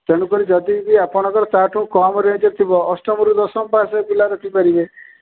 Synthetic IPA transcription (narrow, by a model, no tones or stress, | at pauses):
t̪eɽ̃ũkɔɾid͡ʒɔd̪ibiapɔɽ̃ɔ̃ŋkɔɾɔt̪aʈʰũkɔmɾẽːd͡ʒɔɾt̪ʰibɔːsʈɔmɔɾud̪ɔsɔmpasepilaɾɔkʰipaɾibe